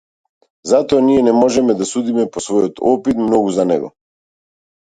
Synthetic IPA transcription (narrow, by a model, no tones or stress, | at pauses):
zat̪ɔaniɛnɛmɔʒɛmɛd̪asud̪imɛpɔsvɔjɔt̪ɔpit̪mnɔɡuzanɛ̰ɡɔ̰